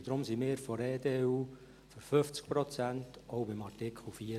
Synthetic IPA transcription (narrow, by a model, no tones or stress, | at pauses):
d̥̪ɾʊmsimɪːɾfɔɾeːdeːuː | føɾfʏft͡sk̚pɾɔt͡sæntʔɔʊbɪmɑrtɪkχl̩fiː